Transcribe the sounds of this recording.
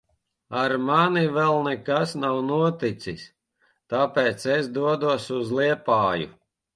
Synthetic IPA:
aɾmanivɛlˠnɛkasnawnuɔt̪it̪sis | t̪aːpɛːt̪sesd̪uɔd̪uɔsuzlˠiɛpaːjṵ

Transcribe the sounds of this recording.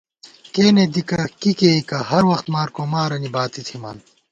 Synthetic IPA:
keːned̪ikɐkikeːikɐhɐɾwɐxt̪maːɾkoːmaːɾɐnibaːt̪it̪ʰima̰ːn

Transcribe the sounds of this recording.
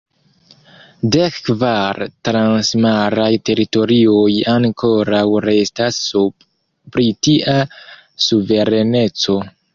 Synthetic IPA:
de̞kkvaɾtɾansmaɾajte̞ɾito̞ɾio̞jaŋko̞ɾawɾe̞stasu | pɾitiʔa | suve̞ɾe̞ne̞t͡so̞

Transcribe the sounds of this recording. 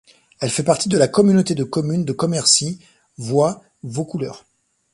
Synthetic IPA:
ɛlfɛpaʁt̪id̪əlakɔmynot̪ed̪əkɔmynd̪əkɔmɛʁsi | vwa | vokulœ̰ːʁ

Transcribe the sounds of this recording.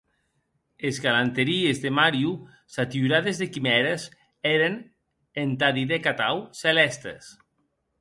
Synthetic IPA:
ezɣalant̪eɾiezðemaɾju | sat̪iuɾaðezðekimɛɾes | eɾen | ent̪aðiðekat̪awselɛst̪ḛs

